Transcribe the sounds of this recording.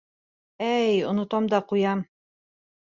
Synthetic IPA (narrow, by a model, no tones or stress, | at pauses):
æjŏnŏt̪ɑmd̪ɑqujɑm